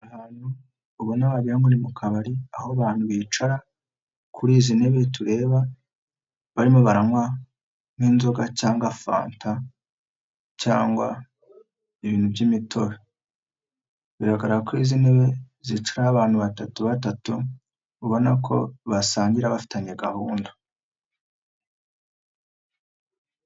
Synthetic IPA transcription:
ahaːn̥hu | uβunaβaβiɾaŋuɾimukʰaβaɾiahoβaːn̥huβiːt͡ʃaɾa | kʰuɾiːzine̞βe̞tuɾe̞ːβa | βaɾimoβaɾamwa | niːnzo̞ɡacaːŋɡafa̰ːntʰa | caːŋɡwa | iβiːn̥hubɟimitʰo̞ɾe | βiɾaɡaɾaakuɾiːzine̞βe̞ | zit͡ʃuɾaːβaːn̥huβatatuβatatu | uβo̞nakʰo̞̰βasaːɲɟiɾaβafi̥taɲeɡahuːndo

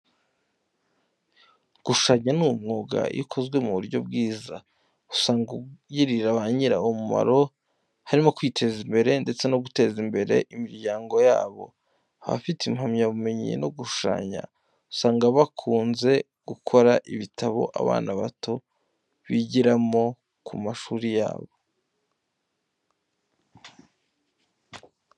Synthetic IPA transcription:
ɡ̥uʃu̥ʃaːɲanuːmŋoːɡa̰ḭkʰo̞zɡwe̞muuɾɟo̞bɡiːza̰ | u̥saːŋɡujiɾiɾaβaɲiɾa̰omuma̰ɾo̞ | haɾimo̞kwiːtʰe̞zimbe̞ɾe̞nde̞t͡se̞no̞ɡute̞ːzimbe̞ɾe̞̰ʔimiɾɟaːŋɡo̞ja̰ːβo̞̰ | aβa̰fitimhamɲaβume̞ɲḭno̞ɡuʃu̥ʃa̰ːɲa̰ | u̥saːŋɡaβakʰuːnze̞ | ɡ̥ukʰo̞ɾaʔiβitʰaβo̞̰ʔa̰βa̰ːnaβato | βiɟiɾamo̞ | kʰumaʃuːɾija̰ːβo̞

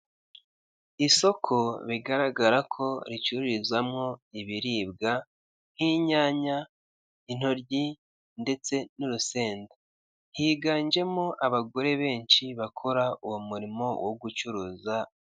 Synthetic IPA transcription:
iso̞kʰo̞βiɡaɾaɡaɾakʰo̞ɾit͡ʃuɾuɾizwamŋo̞iβiɾiːb̚ɡa | n̥hiɲaːɲa | in̥o̞ɾɟi | nde̞t͡se̞nuɾuse̞ːnda | hiːɡaːɲd͡ʒe̞moʔaβaɡo̞ɾe̞βe̞ːɲt͡ʃiβakʰoɾauwumuɾimo̞woɡut͡ʃuɾuːza

